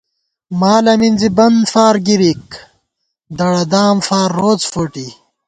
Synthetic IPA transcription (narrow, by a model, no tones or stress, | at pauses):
maːlɐmind͡zibɐnd̪faːɾɡiɾik | d̪ɐɽɐd̪aːmfaːɾːoːt͡sfoʈi